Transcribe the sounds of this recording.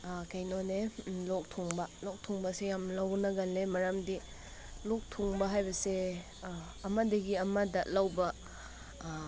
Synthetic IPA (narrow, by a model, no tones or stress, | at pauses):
kɐjnonelɔk̚tʰuŋbɐlɔk̚tʰuŋbɐsejamlɐwnɐɡɐlːemɐɾamdi | lɔk̚tʰuŋbɐɦajbɐse | ɐmɐdɐɡiɐmɐdɐlɐwbɐ